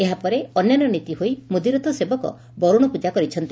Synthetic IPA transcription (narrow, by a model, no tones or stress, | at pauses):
eɦapɔɾeɔnjanɔnit̪iɦoimud̪iɾɔt̪ɔsebɔkɔ̰ | bɔɾuɽ̃ɔpud͡ʒakɔɾit͡ʃʰɔnt̪i